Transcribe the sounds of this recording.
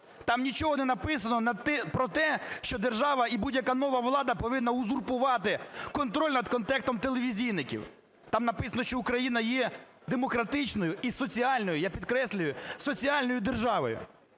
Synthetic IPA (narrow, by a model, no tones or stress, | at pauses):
t̪ɑmnʲit͡ʃɔɦɔnɛnɐpɪs̬ɐnɔnɐt̪ɛpɾɔt̪ɛʃt͡ʃɔd̪erʒɑʋɐibudʲjɐkanɔʋɐʋlˠɑd̪ɐpɔʋɪnːɐʊzurpʊʋɑt̪ɪkɔnt̪ɾɔlʲnɐd̪kɔnt̪ɛkt̪ɔmt̪elˠeʋʲizʲijnɪkʲḭw | t̪ɑmnɐpɪsɐnɔʃt͡ʃɔʊkɾɐjinɐjɛ | d̪emɔkɾɐt̪ɪt͡ʃnɔjʊisɔt͡sʲiɑlʲnɔjʊjapʲid̪kɾɛsʲlʲʊjʊsɔt͡sʲiɑlʲnɔjʊd̪erʒɑʋɔ̰jʊ̰